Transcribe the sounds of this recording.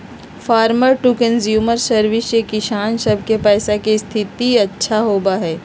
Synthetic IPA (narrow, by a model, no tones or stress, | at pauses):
faːɾməɾʈukə̃nzjuːməɾsəɾʋɪsjekɪʃaːnsɐb̚ʱkepɛːsakest̪ʰɪt̪iɐtːʃʰaɦoːbaɦɛː